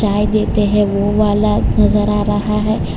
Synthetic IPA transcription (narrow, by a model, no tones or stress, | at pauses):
aːjd̪eːt̪eɦɛ̃ʋoʋaːlanɐzəɾaːɾɐɦaɦɛː